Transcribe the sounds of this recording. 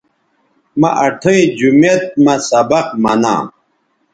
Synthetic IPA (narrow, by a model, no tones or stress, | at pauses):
mɐʔɐʈʰoĩd͡ʑumet̪̚mɐsɐbɐq̚mɐnã̰ː